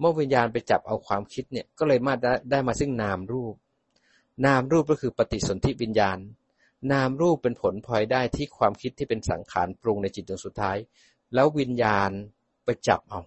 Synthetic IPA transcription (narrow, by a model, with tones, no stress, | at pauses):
mɯ˥˩˨wi˧njaː˧npa˧jt͡ɕa̰˨˩p̚ʔa˧wkʰwaː˧mkʰi˦˥t̪̚ni˥˩ɐkɔː˥˩lɤː˧jmaː˥˩˥daː˥˩jmaː˧sɯ˥˩ŋnaː˧mɾuː˥˩p̚ | naː˧mɾuː˥˩p̚kɔ˥˩kʰɯː˧pa˧t̪i˨˩so˩˦nt̪ʰi˦˥wi˧njaː˧nː | aː˧mɾuː˥˩pːe˧npʰo˩˦npʰɔː˧jdaː˥˩jt̪ʰiː˥˩kʰwaː˧mkʰi˦˥t̪ʰːiː˥˩pe˧nsa̰˩˦ŋkʰa̰ː˩˦npɾu˧ŋna˧jt͡ɕi˨˩t̪̚doː˧ŋsu˨˩t̪ʰːaː˦˥j | lɛː˦˥wwi˧njaː˧n | pa˧jt͡ɕa̰˨˩p̚ʔa˧w